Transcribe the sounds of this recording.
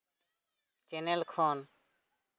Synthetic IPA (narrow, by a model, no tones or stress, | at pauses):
t͡ʃeːnelkʰoːn